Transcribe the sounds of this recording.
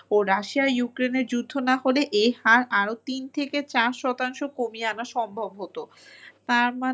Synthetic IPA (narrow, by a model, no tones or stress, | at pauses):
oɾaʃiajukɾeneɾd͡ʑud̪ʱːonaɦoleʔehaɾaɾot̪int̪ʰeket͡ɕaɾʃɔt̪aŋʃokomianaʃɔmbʱobʱot̪o | t̪aɾma